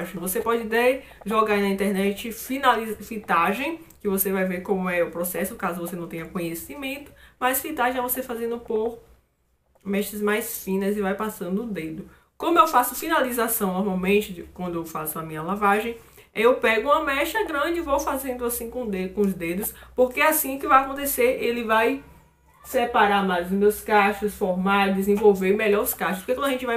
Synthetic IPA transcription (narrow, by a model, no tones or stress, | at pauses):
ʒ̃vosepɔd͡ʒɪt̪eɾ | ʒɔɡaɾnɐĩt̪ɛɾnɛt͡ʃɪfinalizfit̪aʒẽj̃kɪvosevajveɾkõmʊɛʊpɾɔsɛsʊkazʊvosenɐ̃w̃t̪ẽɲ̃ɐkõɲesimẽnt̪ʊ̥mɐsfit̪aʒẽɛvosefazẽnd̪ʊpoɾ | mɛʃɐzmajsfĩnɐzɪvajpasɐ̃d̪ʊʊd̪ed̪ʊ | kõmʊewfasʊfĩnalizasɐ̃w̃nɔɾmawmẽnt͡ʃɪkwɐ̃nd̪ʊewfasʊɐmĩɲɐlavaʒẽj̃ | ewpɛɡʊũmɐmɛʃɐɡɾɐ̃d͡ʒɪvowfazẽnd̪ʊasĩkõd̪ekõʊzd̪ed̪ʊspoɾkeasĩʊkɪvajakõnt̪eseɾelɪvaj | sɛpaɾaɾmajzʊzmewskaʃʊsfɔɾmaɾd͡ʒɪzẽvowveɾ̃mɛʎɔɾʊskaʃtʊspo̥ɾkekɐ̃d̪ɐʒẽt͡ʃɪvaj